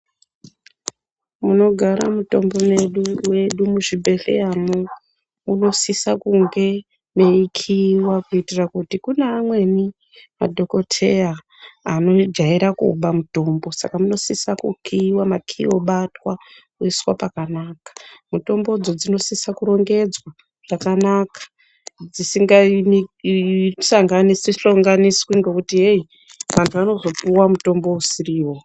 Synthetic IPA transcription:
muno̞ɡʱaɾa̰muto̞mbo̞me̞ɗuwe̞ɗumuʐibʱe̞ɬe̞̰jano | uno̞sisakuŋɡe̞ | meikʰiwakuitirakutikuneːmwe̞ni | ma̰dʱo̞ko̞tʰe̞aː | no̞d͡ʒaiɾakṵɓamuto̞mbo̞sa̰kamuno̞sisakṵkʰiwamakʰḭwoɓatwa | kuiswapakanakḁmuto̞mbo̞d͡zod͡zino̞sisakuɾo̞ŋɡe̞d͡zwa | ʐakanakḁ | d͡zisiŋɡa | saŋɡanisiɬoŋɡaniswiŋɡokutiɦei | ʋantʰuano̞zo̞puwamuto̞mbo̞usiriːwo̞

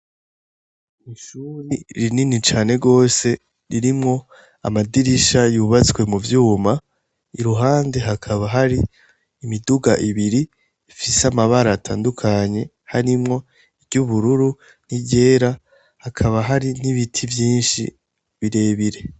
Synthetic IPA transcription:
iʃuɾiɾininit͡ʃaːne̞ɡo̞ːse̞ | ɾiɾimŋo̞ | a̰madiɾiʃajuːβat͡swe̞muvjuːma | iɾuɦaːnde̞ɦakʰaβaɦaɾiː | miduɡaʔiβiɾi | ifisamaβaɾatʰa̰ːndukʰaɲe̞ | haɾimŋo̞ | iɾɟuβuɾuɾu | niɟe̞ːɾa | hakʰaβaɦaɾiniβitʰivjiːnʃḭ | βiɾe̞ːβiɾe̞

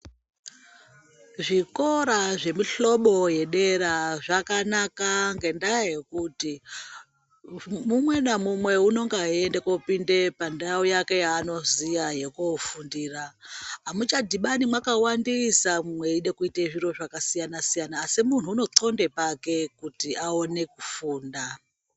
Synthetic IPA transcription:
ʐiko̞ɾaʐe̞miɬo̞ɓo̞je̞ɗe̞ɾaʐakanakaŋɡe̞ndaje̞kuti | mumwe̞namumwe̞uno̞ŋɡiendekopinde̞pandaojake̞jaːno̞zijaje̞kofundiːraɦamut͡ʃadʱiɓanimwakawandisamumwe̞iɗe̞kuiteʐiro̞ʐakasijanasijanaːsimun̤uːno̞ǀo̞nde̞pake̞kutiʔaone̞kufuːnda

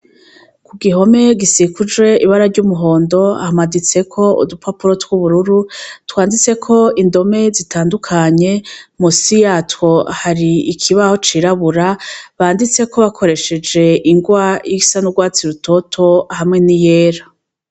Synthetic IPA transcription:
kuɡiɦo̞me̞ɡisikud͡ʒwe̞iβaɾaɾɟuːmuɦo̞ːndo̞a̰hamadit͡se̞kʰo̞ṵdupapuɾo̞twuβuɾuɾutwaːndit͡se̞kʰo̞indo̞me̞zitaːndukʰaɲe̞musijatwo̞haɾiikʰiβaho̞t͡ʃiɾaβuɾaβaːndit͡se̞kʰo̞βakʰo̞ɾe̞ʃe̞d͡ʒe̞iŋɡwajisanuɡwaːt͡siɾutʰo̞tʰo̞hamŋe̞nijeːɾa

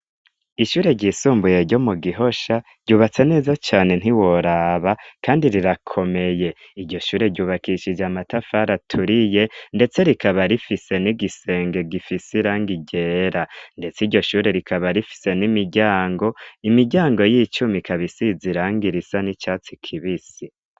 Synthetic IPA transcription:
iʃuːɾe̞ɾɟiːsuːmbuje̞ɾɟo̞muɡiɦo̞ʃaɾɟuːβat͡se̞ne̞ːzat͡ʃaːne̞n̥iwo̞ɾaβakaːndiɾiɾakʰo̞me̞je̞ | iɾɟo̞ʃuːɾe̞ɟuːβakiʃid͡ʒamatafaɾatʰuɾije̞nde̞t͡se̞ɾikaβaɾifise̞niɡise̞ːŋɡe̞ɡifisiɾaːŋɡiɟe̞ːɾande̞t͡siɟo̞ʃuːɾe̞ɾikʰaβaɾifi̥se̞nimiɟaːŋɡo̞imiɟaːŋɡo̞jiːt͡ʃumikʰaβisiziɾaːŋɡiɾisanit͡ʃaːt͡sikʰiβisi

